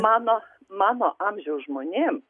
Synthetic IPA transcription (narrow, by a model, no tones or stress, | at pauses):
mɑːnoː | mɑːnoːʔɑːmʲʒʲɛʊsʒmoːnʲeːm